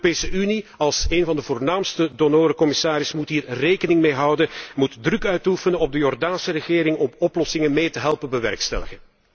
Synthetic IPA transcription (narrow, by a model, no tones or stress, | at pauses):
peːsəʔyniɑlˠseːnvɑndəvoːrnaːmstədonoːɾəkɔmɪsaːɾɪsmutɦiːrrejkənɪŋmeːɦʌwdəmutdrɵkœɥtufənənɔb̚dəjɔrdaːnsərəɣɪːɾɪŋɔmɔplɔsɪŋənmeːtəɦɛlˠpənbəʋɛ̰rkstɛ̰ləɣən